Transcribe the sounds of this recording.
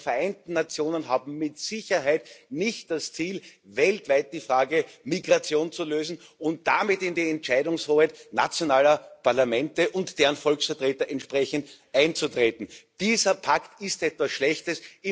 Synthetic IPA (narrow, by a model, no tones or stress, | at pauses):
fɛɐʔæɪntn̩nat͡sjoːnənɦaːbm̩mɪtsɪçɐɦæɪtnɪçt̚d̥ast͡siːlvɛltvæɪt̚d̥iːfʁaːɡəmiɡʁat͡sjoːnt͡suløːzn̩ʊnt̚d̥amɪtɪndiːɛntt͡ʃæɪdʊŋsʁoːhɛɪna̰t͡sjonaːlɐpʰaɐlamɛ̃ntəʔʊntd̥eːʁənfɔlksfɐtʁeːtɐʔɛntʃpʁɛçəntʔæ̃ɪnt͡sutʁ̥eːtn̩d̥iːzɐpʰaktɪstɛtv̥asʃlɛçtəsɪ